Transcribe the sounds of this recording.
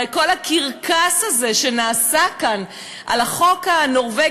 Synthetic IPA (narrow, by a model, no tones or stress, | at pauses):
ko̞lakiʁkʰasaze̞ʃe̞naːsakan | ʔa̰laχo̞kano̞ʁve